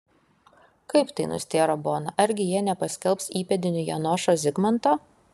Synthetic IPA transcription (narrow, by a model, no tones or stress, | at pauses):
kɐɪpt̪ɐɪnʊ̰sʲt̪ʲeːɾoːboːnɐʔɐɾʲɡʲɪjiɛnʲɛpɐsʲkʲɛlˠpsiːpʲɛd̪ʲɪnʲʊjɛ̰nɔʃoːzʲɪɡmɐnt̪oː